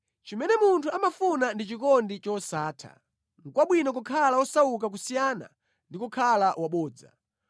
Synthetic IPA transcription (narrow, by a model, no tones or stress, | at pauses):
t͡ʃimɛnɛmuntʰuamafunandit͡ʃikɔndit͡ʃɔsaːtʰa̰ | ŋ̩kwaɓwinɔk̬ukʰalawɔsauk̬ak̬usijana̰ | ndikukʰalawaɓɔːd͡za̰